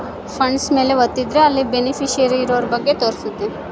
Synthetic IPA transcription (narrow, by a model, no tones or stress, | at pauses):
pʰɐɳɖsme̞ːle̞ʋot̪ːid̪ɾeɐlːibenipʰiʃɐɾiːɾoːɾbɐɡːe̞t̪oːɾsut̪ːe